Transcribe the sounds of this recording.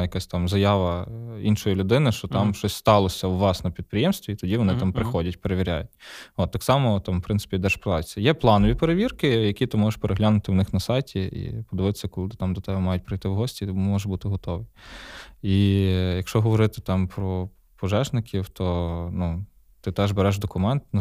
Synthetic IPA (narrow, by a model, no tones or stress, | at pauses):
jɐkasʲt̪ɑmzɐjɑʋɐinʃɔjilʲʊd̪ɪnɪʃt͡ʃɔt̪ɑmʃɔsʲst̪ɑlˠɔsʲɐwlˠɑsnɔmpʲid̪̚pɾɪjɛmst̪ʋʲit̪ɔdʲiʋɔnɪt̪ɑmpɾɪxɔdʲɐtʲpeɾeʋʲiɾʲa̰jʊt̚ʲot̪ːɑksɑmɔt̪ɑmpɾɪnt̪ɪ̥pʲid̪ɛʃpɔd̪ɑjsʲɐjɛplˠɑnɔʋʲipeɾeʋʲirkɪjɐkʲit̪ɪmɔʒeʃpeɾʔeɦlʲanʊt̪ɪwnɪxnɐsɑjtʲʰiḭpɔd̪ɪʋɪt̪ɪ̥sʲːɐkɔlˠɪt̪ɪt̪ɑmd̪ɔt̪ɛbɛmɑjʊt̚ʲpɾɪjt̪ɪwɦɔsʲtʲit̪mmɔbut̪ɪɦɔt̪ɔʋɪ | ijɐkʃt͡ʃɔɦɔʋɔɾɪt̪ɪ̥t̪ɑmpɾɔ | pɔʒɛʒnɪkʲiwt̪ɔnu | t̪ɪt̪ɛʒbeɾɛʒd̪ɔkʊmɛnt̪nɐ